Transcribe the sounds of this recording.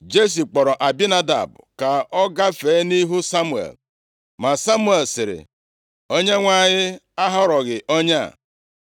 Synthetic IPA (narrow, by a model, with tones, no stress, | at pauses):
d͡ʒe˦s̬i˨k͡pɔ˨ɾɔ˨ʔa˨bi˦na˦da̰˨bʊ˨ka˨ɔ˦ɡa˦feː˨˦ni˦ɦu˦sa˦mu˦˨ḛ˨l | ma˨sa˦mu˦e˨lsɪ˨ɾɪ̰˨ | o˦ɲe˦ŋʷa˦˨ɲɪ˦ | a˦ɦɔ˦ɾɔ˨ɣɪ˨ʔo˦ɲa̰˦˨